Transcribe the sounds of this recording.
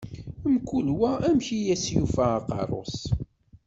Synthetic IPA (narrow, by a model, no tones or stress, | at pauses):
əmkːulwæʔæmçijæsjufæːqɑ̰rˤo̰s